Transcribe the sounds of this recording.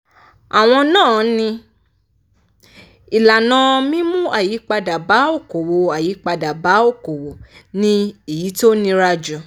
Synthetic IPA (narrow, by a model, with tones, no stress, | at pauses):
a˨w̃ɔ̃˧nãː˦˨nĩ˧ | i˨la˨nã˧mĩ˦mũ˦a˦˨ji˨˦k͡pa˧da˨ba˨˦o˦˨ko˨wo˧a˨ji˨˦k͡pa˧da˨ba˨˦o˦˨ko˨wo˨nĩ˧e˦˨ji˨˦to˦nĩ˧ɾa˧d͡ʒũ˨